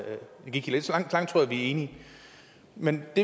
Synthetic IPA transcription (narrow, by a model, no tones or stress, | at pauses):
jæɡ̥iɡ̥iled̥sɒlɑ̈ŋ̰̥lɑ̈ŋ̰d̥̚t͡sʰʁo̝ɐɐʋiæe̝ːni | mend̥e